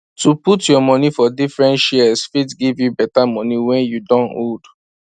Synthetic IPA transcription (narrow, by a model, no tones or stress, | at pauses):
tuputjɔmɔ̃nifɔdifɹɛ̃ntʃɛsfitɡivjubɛtamɔ̃niwɛ̃njudɔ̃nod